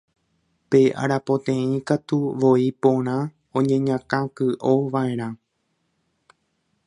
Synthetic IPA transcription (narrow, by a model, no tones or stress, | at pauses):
pe̞ʔa̰ɾapõ̞t̪ẽĩkat̪uʋo̞ipõɾ̃ã | õɲẽ̞ɲãkãkɨʔo̞ʋaẽ̞ɾ̃ã